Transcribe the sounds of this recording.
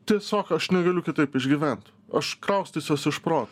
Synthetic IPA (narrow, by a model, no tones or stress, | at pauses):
t̪ʲiɛsʲoːkɐʃnʲɛɡɐlʲʊkʲɪt̪ɐɪpɪʒʲɡʲɪʋʲænt̪ | ɐʃkɾɐʊsʲt̪ʲisʲjoːsɪʃpɾoːt̪